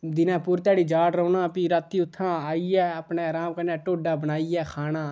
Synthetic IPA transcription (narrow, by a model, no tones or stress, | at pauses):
d̪ɪnãːpʊːɾt̪ɛːɽiːd͡ʒaːɽɾoːnãːpiɾat̪ːiːʊt̪ʰːãːaːiːɛːəpɳeːɾaːmkənɛːʈoːɖaːbənaːiɛːkʰaːnaː